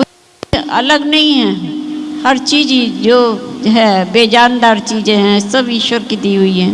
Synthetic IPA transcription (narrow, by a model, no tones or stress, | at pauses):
ʊs | eʔɐ̰ləɡnɐɦĩɦɛ̃ːhɐɾt͡ʃiːd͡ʒid͡ʒoːd͡ʒɦɛbeːd͡ʒaːnd̪aːɾt͡ʃiːzẽɦɛ̃sɐbʱiʃəɾkɪt̪iɦʊiɦɛ̃ː